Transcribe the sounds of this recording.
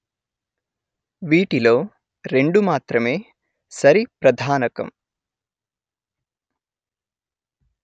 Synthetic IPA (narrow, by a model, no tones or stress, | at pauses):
ʋiːʈiloː | ɾe̞ɳɖumaːt̪ɾɐmeː | sɐɾipɾɐd̪ʱaːnɐkɐ̰m